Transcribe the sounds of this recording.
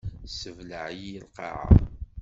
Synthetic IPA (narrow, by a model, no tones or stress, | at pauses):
səvləʕjəlqɑ̰ʕa̰